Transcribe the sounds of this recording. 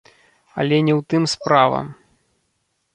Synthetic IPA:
ɐ̰lʲɛnʲɛwt̪ɨmspɾavɐ̰m

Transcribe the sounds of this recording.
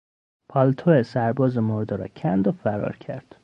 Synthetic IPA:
pʰɒːlt̪ʰoesæɾbɒːzemoɾd̪eɾɒ̰ːcʰænd̪ofæɾɒ̰ːɾcʰæɾd̪̥

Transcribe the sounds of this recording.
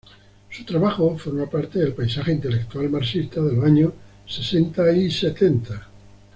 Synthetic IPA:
sut̪ɾaβaxofoɾmapaɾt̪eðelpajsaxeint̪e̞lek̚t̪ualmaɾsist̪aðelaɲo | se̞se̞nt̪aise̞t̪e̞nt̪a

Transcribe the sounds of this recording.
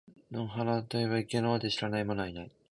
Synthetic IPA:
noɦanat̪oeβaike̞nad̪eɕiɾanaimonoinai

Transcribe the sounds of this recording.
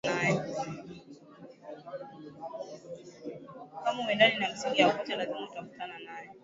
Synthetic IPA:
najɛ | kamawɛdaɗinam̩siŋɡijakut͡ʃalazimuutafu̥tananajɛ

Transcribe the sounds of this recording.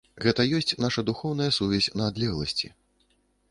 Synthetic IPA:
ɣɛt̪ɐjɔsʲt͡sʲnaʂɐd̪uxɔwn̪ɐjɐsuvʲɛsʲnɐːd̪lʲɛɣlˠɐ̰sʲt͡sʲḭ

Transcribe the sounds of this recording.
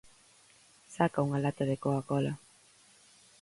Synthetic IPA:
sakauŋalat̪aðekoakɔla

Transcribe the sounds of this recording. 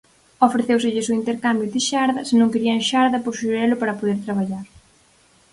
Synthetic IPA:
ofɾeθewsɪʎɪsʊint̪eɾkambjʊðɪʃaɾðɐsɪnõŋkeɾiɐŋʃaɾðɐpoɾʃuɾɛlʊpaɾɐpoðeɾt̪ɾaβaʎaɾ

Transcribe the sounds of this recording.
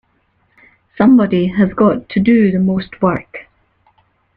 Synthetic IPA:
sʌ̃mbɔdiəzɡɔtʰədəðəmost̚ʰwɜ˞k

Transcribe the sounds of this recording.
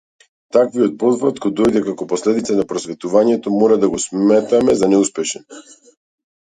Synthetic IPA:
t̪akviɔt̪̚pɔd̪vɾat̪kɔd̪ɔjd̪ɛkakɔpɔslɛd̪it̪sanapɾɔsvɛt̪uvaɲɛt̪ɔmɔɾad̪aɡɔsmɛt̪amɛzanɛuspɛʃɛn

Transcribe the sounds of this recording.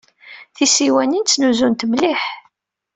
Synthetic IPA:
θisiwænint͡sːnuzunt̪mliħ

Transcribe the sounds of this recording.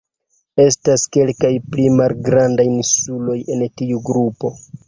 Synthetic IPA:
e̞staske̞lkajplimalɡɾandajinsulo̞je̞ntiuɡɾupo̞

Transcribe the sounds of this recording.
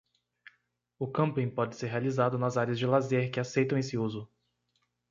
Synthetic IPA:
ʊkɐ̃mpĩpɔd͡ʒɪseɾɦealizad̪ʊnɐzaɾjɐzd͡ʒɪlazeɾkɪasejt̪ɐ̃w̃esɪuzʊ

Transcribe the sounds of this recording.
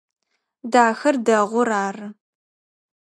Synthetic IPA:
daːxɐrdɐʁʷʊɾaːrɨ

